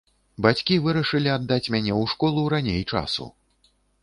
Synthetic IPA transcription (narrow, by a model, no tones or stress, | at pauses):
bat͡sʲkʲivɨɾɐʂɨlʲiad̪ːat͡sʲmʲanʲɛwʂkɔlˠuɾanʲejt͡ʂa̰sṵ